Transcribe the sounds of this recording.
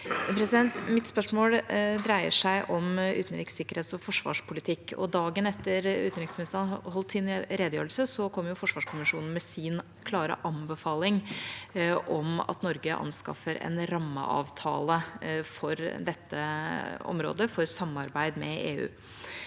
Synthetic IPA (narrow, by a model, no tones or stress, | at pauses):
pʰɾɛsɪd̪ɛnt̪mɪt̪spœʂmoːld̪ɾæɪə̰ʂæɪʔɔmʉ̰ːt̪n̩ɾɪksɪkːəɾheːt̪sɔfɔʂʋɑ̰ːʂpʰʊlɪt̪ʰɪkːɔ̰d̪ɑːɡənɛt̪ːəɾʉ̰t̪nɾɪksmɪnɪst̪ɾnhɔlt̪sɪnɾeːd̪əjøːɾl̩səsɔkʰɔmːjʊfɔʂʋɑːʂkʰʊmɪʂuːnn̩mɛsɪn | kʰlɑːɾə̰ʔɑmbəfɑːlɪŋ | ʔɔmɑ̰t̪nɔɾɡəʔɑ̰nskɑ̰fəɾɛ̰nɾɑmːə̰ʔɑ̰ːʋt̪ʰɑ̰ːləfɔɾd̪ɛt̪ːə̰ɔ̰mɾo̰ːd̪əfɔɾsɑmːɑɾbæɪd̪mɛ̰eːʉ̰ː